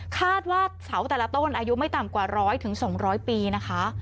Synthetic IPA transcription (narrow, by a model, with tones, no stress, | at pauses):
kʰaː˥˩t̪̚waː˥˩sa˩˦wt̪ɛː˨˩la˦˥t̪o˥˩nʔaː˧ju˦˥ma˥˩jt̪a˨˩mkwaː˨˩ɾɔː˦˥jt̪ʰɯ˨˩˦ŋsɔː˨˩˦ŋɾɔː˦˥jpiː˧na˦˥kʰa˦˥ʔ